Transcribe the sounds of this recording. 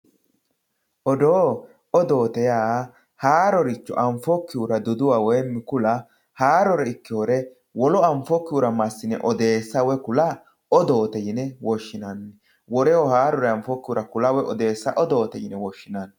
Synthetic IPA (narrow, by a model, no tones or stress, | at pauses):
ʔɔd̪oː | ɔd̪o̞ːt̪ɛjaː | haːɾɔɾɪt͡ʃːɔ̰ʔɐɱfɔkːɪjuɾɐd̪ɔd̪ʊwaːwɔjmɪkʊlɐ | haːɾɔɾɛɪkːɪɔɾɛ | wɔlɔɐɱfɔkːɪjuɾɐmɐsːɪnɛʔɔd̪e̞ːsːɐwɛkʊlɐ | ɔd̪oːt̪ɛjɪnɛwɔʃːɪnanːɛ | wɔɾɛhɔhaːɾɔɾɛɐɱfɔkːɪjʊɾɐkʊlɐwɛɔd̪e̞ːsːɐʔɔd̪o̞ːt̪ɛjɪnɛwɔʃːɪnan